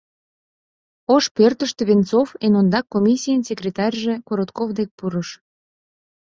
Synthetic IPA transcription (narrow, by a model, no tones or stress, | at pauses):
oʃpørt̪əʃt̪eβent͡sofenond̪ɑkːomʲisʲijənsʲekrʲet̪ɑrʲʒĕkoɾot̪kovd̪ek̚puɾəʃ